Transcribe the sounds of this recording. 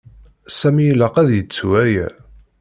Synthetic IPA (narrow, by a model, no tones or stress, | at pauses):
sæmijlæqæðjət͡sːwæjæ̰